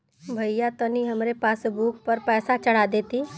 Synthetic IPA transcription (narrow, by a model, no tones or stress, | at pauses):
bʱɐijat̪əniɦɐmɾepaːsbuːkʰpəɾpɛːsat͡ʃəɽ̤ad̪eːt̪iː